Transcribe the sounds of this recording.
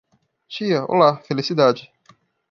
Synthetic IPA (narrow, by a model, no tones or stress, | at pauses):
t͡ʃijɐʊ̰lafelesid̪aːd͡ʒi